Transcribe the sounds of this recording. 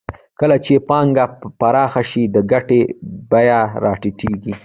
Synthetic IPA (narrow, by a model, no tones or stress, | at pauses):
kəlat͡ʃepɑŋɡapaɾɑxaʃid̪əɡaʈebajaɾɑʈiʈiɡi